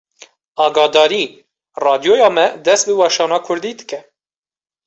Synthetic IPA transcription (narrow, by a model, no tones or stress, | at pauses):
ɑːɡɑːd̪ɑːɾiː | rɑːd̪jojɑːmɛd̪ɛst̪̚bɨwɑːʃɑːnɑːkʰʊɾd̪iːd̪ɨ̥kɛ